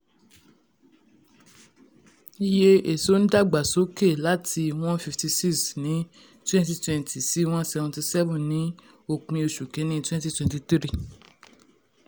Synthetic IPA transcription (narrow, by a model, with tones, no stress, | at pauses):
i˧je˦e˨so˨˦n̩˦da˦˨ɡ͡ba˨so˨˦ke˦˨la˨˦tʰi˧w̃ɔ̃˦fi˧fti˧si˦ksnĩ˨˦ | twɛ̃˦nti˧twɛ̃˧ntʰi˨si˨˦w̃ɔ̃˦sɛ˧vɔ̃˧ti˧sɛ˦vũ˦˨nĩ˨˦ | o˦˨k͡pĩ˧o˧ʃu˨kẽ˨˦nĩ˦twɛ̃˦nti˦twɛ̃˨nti˧˨tɾi˦˨